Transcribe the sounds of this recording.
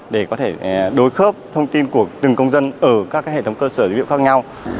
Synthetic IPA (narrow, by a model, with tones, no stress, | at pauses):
ɗe˧˩kɔ˨˦t̪ʰe˧˩ɗo˨˦jxəː˦˥p̚t̪ʰə˧wŋ͡mt̪i˧nku˧˩ət̪ɨ˨˩ŋkə˧wŋ͡mzə˧nʔəː˧˩kaː˦˥kːaː˨˦hḛ˧˨t̪ʰə˨˦ŋ͡mkəː˧səː˧˩wḭ˧˨wxaː˦˥k̚ɲa˧w